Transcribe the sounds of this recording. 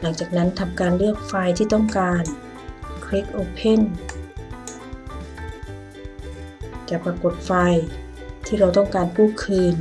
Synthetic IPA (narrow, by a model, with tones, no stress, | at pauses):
la˧˩ŋt͡ɕaː˨˩k̚na˦˥nt̪ʰa˧mkaː˧nlɯ˥˩ək̚fa˧jt̪ʰiː˧˩t̪ɔ˥˩ŋkaː˧n | kʰɾi˦˥k̚ʔoː˧pʰe˥˨n | t͡ɕa˧˩pa˧ko˨˩t̪̚fa˧j | t̪ʰiː˧˥˩ɾa˧wt̪ɔ˥˩ŋkaː˧nkuː˥˩˨kʰɯː˧n